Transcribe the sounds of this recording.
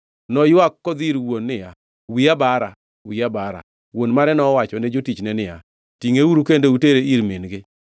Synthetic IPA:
nɔjwakːɔd̪iɾwonːɪja | wiabaɾa | wiabaɾa̰ | wonmaɾɛnɔwat͡ʃɔnɛd͡ʒotit͡ʃnɛnɪja̰ | tiŋeuɾukendouteɾeiɾmenɡɪ

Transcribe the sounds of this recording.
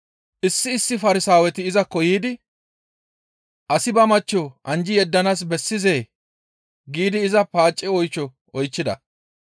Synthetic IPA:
ʔɪsːɪːsːɪfɐɾɪsaːwɛt̪ɪːzɐkɔjiːd̪ɪ | ʔɐsɪbɐmɐt͡ʃːɔʔɐnd͡ʒɪjɛd̪ːɐnaːs̬bɛsːɪzeː | ɡiːd̪ɪːzɐpaːt͡ʃʼːɪɔjt͡ʃːɔ | ɔjt͡ʃːɪd̪ɐ̰

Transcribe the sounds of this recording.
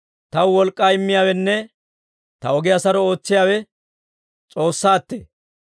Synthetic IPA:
t̪ɐwwɔlkʼːaːɪmːɪjaːwɛnːɛ | t̪ɐɔɡɛjasɐɾɔo̞ːt͡sːɪjaːwɛ | t͡sʼo̞ːsːaːt̪ːḛː

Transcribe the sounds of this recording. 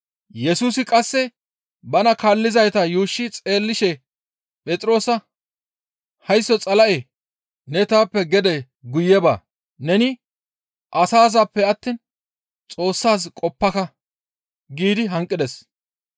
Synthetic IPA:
jɛsuːsɪkʼɐsːɛ | bɐnɐkaːlːɪzɐjt̪ɐjuːʃːɪt͡sʼe̞ːlːɪʃɛ | pʼɛt͡sʼɪɾo̞ːsɐ | hɐjsːɔt͡sʼɐlɐʔe | nɛt̪aːpːɛɡɛd̪ɛ | ɡʊjɛba̰ | nɛnɪ | ʔɐsaːzapːɛɐt̪ːiːn | t͡sʼo̞ːsːaːs̬kʼɔpːɐkɐ | ɡiːd̪ɪɦɐŋkʼːɪd̪ɛs

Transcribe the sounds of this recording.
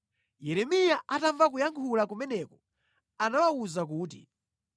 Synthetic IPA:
jɛɾɛmijaʔataɱvak̬ujaŋkʰulakumɛnɛkɔ | anawauzak̬uːt̬ḭ

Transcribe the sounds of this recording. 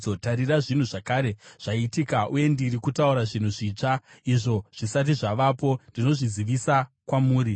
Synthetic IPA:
o̞taɾiraʐin̤uʐakaːɾe̞ʐ̥aitikaʔuje̞ndirikutauɾaʐin̤uʐiːt͡ʂaiʐo̞ʐ̥isat̬iʐaʋapo̞ndino̞ʐiziʋisa | kwamuːɾi

